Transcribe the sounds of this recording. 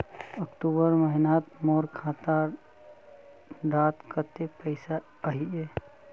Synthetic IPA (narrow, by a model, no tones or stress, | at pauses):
əkʈubəɾməɦinat̪moɾkʰat̪a | ɖat̪kət̪epəɪsa | əɦie